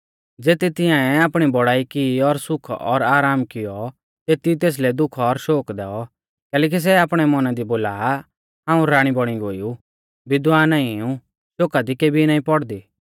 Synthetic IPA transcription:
d͡zeːt̪et̪ɪjãːɛaːpɽ̃ibɔɽaːikiɔɾsʊkʰɔɾaːɾaːmkɪjɔ | t̪eːt̪it̪eːs̬lɛd̪ʊkʰɔɾʃoːkd̪ɛːɔ | kɛːlɛːk̬is̬ɛaːpɽ̃ɛmɔnad̪iboːlaː | ɦãːũɾaːɽ̃ibɔɽ̃iɡoːiu | bɪd̪ʋaːnãːĩũ | ʃoːkad̪ikeːbʱinaːĩpɔɽd̪iː

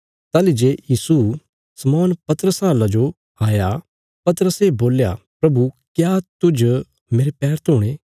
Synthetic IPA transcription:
t̪aːlid͡ʒeːjiːsu | sɐmɔːnpɐt̪əɾəsɦaːlãd͡ʒo | aːja | pɐt̪əɾəseːboːlja̰pɾɐbukjat̪ʊd͡ʒ | meːɾepɛːɾt̪ʰoːɽ̃eː

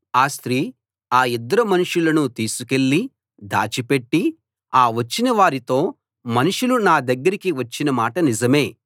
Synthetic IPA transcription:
aːst̪ɾiː | aːid̪ːɐɾɐmɐnuʂulɐnut̪iːsuke̞ɭːi | d̪a̰ːt͡ʃipe̞ʈːi | aːʋɐt͡ʃːinɐʋaːɾit̪o̞ː | mɐnuʂulunaːd̪ɐɡːɐɾikiʋɐt͡ʃːinɐmaːʈɐnid͡ʒɐme̞ː

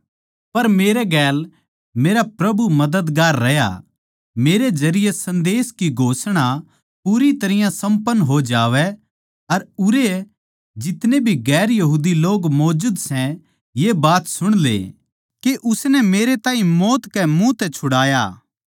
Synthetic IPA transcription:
pɐɾmeːɾɛɡɛːl | meːɾapɾɐbumɐd̪əd̪ɡaːɾːɐja̰ | meːɾed͡ʒɐɾɪjesɐ̃nd̪eːskiɡʱoːsɽ̃a | puːɾit̪ɐɾɪjãsɐ̃mpənːɦod͡ʒaːʋɛ | ɐɾʊɾe | d͡ʒɪt̪nebʱiɡɛːɾjɐɦuːd̪iloːɡmɔːd͡ʒud̪sɛ̃ | jeːbaːt̪sʊɽ̃lḛː | keʔʊsnɛmeːɾet̪ãːɦĩmɔːt̪kɛmũt̪ɛt͡ʃʰʊɽaːja̰ː

